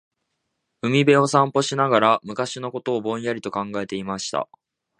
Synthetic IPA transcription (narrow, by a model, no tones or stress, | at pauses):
ɯ̟mʲibe̞o̞sãmpo̞ɕinaɡaɾamɯ̟kaɕino̞ko̞t̪o̞ːbõ̞ɰ̃jaɾʲit̪o̞kãŋɡae̞t̪e̞imaɕi̥t̪a̰